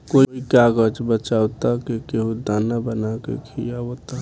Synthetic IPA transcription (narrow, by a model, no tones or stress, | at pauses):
koikaɡəd͡ʒbət͡ʃawt̪akekeɦud̪anabənakḛkʰijaot̪a